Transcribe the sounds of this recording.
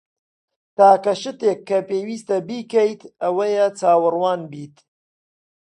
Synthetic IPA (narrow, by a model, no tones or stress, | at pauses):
t̪aːkɐʃɨt̪eːkʰːɐpeːwiːst̪ɐbiːkɛjt̪ɐwɐjɐt͡saːwɨrwaːnbiːt̪